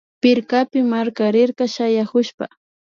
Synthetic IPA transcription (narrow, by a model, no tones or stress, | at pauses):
pɪɾkapɪmaɾkaɾɪɾkaʃajahʊʃpa